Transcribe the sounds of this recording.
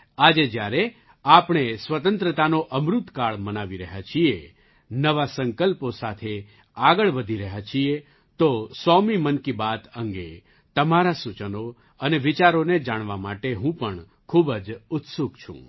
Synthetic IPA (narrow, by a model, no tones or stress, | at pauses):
ad͡ʒed͡ʒjaɾe | apɳ̃esʋət̪ənt̪ɾət̪anoʔəmɾʊt̪kaɭmənaʋiɾəɦat͡ʃʰie | nəʋasəŋkəlposat̪ʰe | aɡəɭʋəd̪ʱiɾəɦat͡ʃʰie | t̪osɔmimənkibat̪əŋɡe | t̪əmaɾasut͡ʃəno | əneʋit͡ʃaɾoned͡ʒaɽ̃ʋamaʈeɦũpəɳ | kʰubəd͡ʒʊt̪suɡt͡ʃʰṵ̃